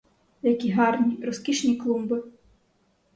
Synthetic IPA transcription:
jakʲiɦarnʲirɔskʲiʂnʲijklˠumbɨ

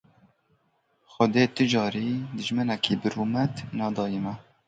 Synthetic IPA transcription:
xʊd̪eːt̪ɨd͡ʒɑːɾiːd̪ɨʒmɨnɛkʰiːbɨɾuːmɛt̪nɑːd̪ɑːjimɛ

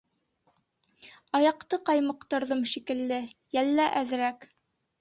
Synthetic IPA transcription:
ɑjɑqt̪ɤqɑjmɤ̆qt̪ɤ̆ɾðɤmʃikɘ̆lːɘjælːæʔæðɾæk

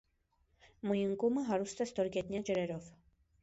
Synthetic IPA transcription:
mujəŋkuməɦɑɾust̪ɛst̪ɔɾɡɛt̪njɑd͡ʒəɾɛɾɔv̥

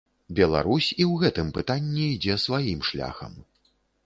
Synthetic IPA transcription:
bʲɛlˠa̰ɾusʲiwɣɛt̪ɨmpɨt̪anʲːiid͡zʲɛsvajimʂlʲa̰xɐ̰m

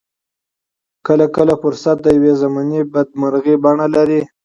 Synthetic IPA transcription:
kəlakəlafʊɾsat̪̚d̪əjawezamanebad̪̚maɾɣebaɳalaɾi

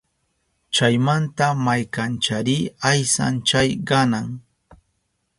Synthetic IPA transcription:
t͡ʃajmant̪amajkant͡ʃaɾiajsa̰nt͡ʃajɢɑnaŋ

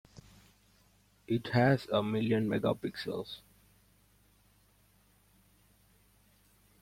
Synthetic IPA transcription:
ɪʈhæzəmɪljə̃nmeɡa̰pɪksə̰ls

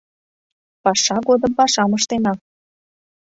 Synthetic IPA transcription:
pɑʃɑɣod̪əmpɑʃɑmɤʃt̪enɑ

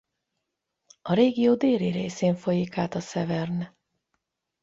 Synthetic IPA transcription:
ɒɾeːɡijoːd̪eːɾiɾeːseːɱfo̞jikaːt̪ɒsɛvɛrn

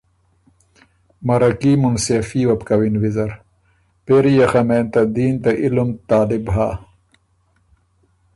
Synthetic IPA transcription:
mɐɾɐkiːmunsefiːwɐpkɐwinwizɐɾ | peɾijɐxɐmeːnt̪ɐd̪iːnt̪ɐʔilumt̪aːlibɦaː

